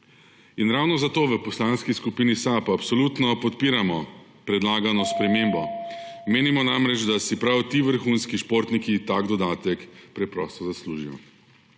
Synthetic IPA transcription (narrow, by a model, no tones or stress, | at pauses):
inɾawnɔzat̪oːʋəpɔslaːnskiskupiːnisapapsɔlut̪nɔpɔt̪piːɾamɔ | pɾɛd̪laːɡanɔspɾɛmeːmbɔmeːnimɔnamɾɛd͡ʒd̪asipɾawt̪iːʋəɾxunskiʃpoɾt̪nikit̪aɡd̪ɔd̪aːt̪ɛkpɾɛpɾɔ̰st̪ɔzasluːʒijɔ̰